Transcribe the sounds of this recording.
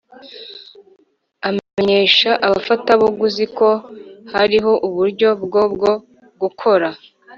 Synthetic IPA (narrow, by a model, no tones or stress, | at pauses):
ameɲe̞ːʃaʔaβafataβoɡuziko̞haɾiɦo̞ʔuβuɾɟo̞bɡo̞bɡo̞ | ɡukʰo̞ɾa